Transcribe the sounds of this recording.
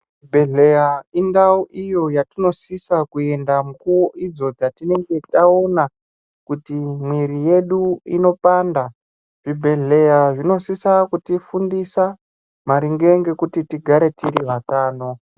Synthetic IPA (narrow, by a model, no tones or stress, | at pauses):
bʱeɮejaindauʔijo̞jatino̞sisakue̞ndamukuwoʔid͡zo̞d͡zatine̞ŋɡe̞tao̞na | kutimwiɾije̞ɗuḭno̞panda | ʐ̥ibʱe̞ɮe̞jaʐino̞sisakutifundisa | maɾiŋɡe̞ŋɡe̞kutitiɡʱaɾe̞tiɾiʋataːno̞